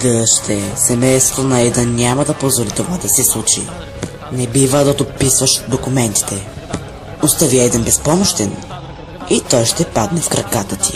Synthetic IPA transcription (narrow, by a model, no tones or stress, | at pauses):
d̪ɐʃt̪ʰɛsɛmɛjst̪vot̪onɐɛd̪ənʲamɐd̪ɐpozvolit̪ovad̪ɐsɛslˠut͡ʃḭ | nɛbivəd̪ɐd̪opisvəʃd̪okʊmɛnt̪i̥t̪ɛ | ʊst̪aviɛd̪ɛnbɛspɔmoʃt̪ɛn | it̪ɔjʃt̪ɛpad̪nɛfkɾɐkat̪ət̪i̥